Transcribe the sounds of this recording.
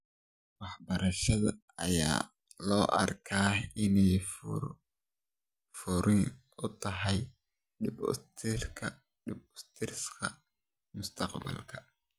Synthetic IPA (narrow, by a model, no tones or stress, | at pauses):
wɑħbɐɾɐʃɐðɐ̰ | ɐ̰ja̰ː | lɔːʔɐ̰rkʰaːɪnɛj | fʊɾɪn | ʊt̪ʰɐɦɛj | ɖɪb̰t̪ʰɪkʰɐ | ɪbʊst̪ʰɪrskʰɐ | mʊst̪ʰɑqbɐ̰lkʰɐ̥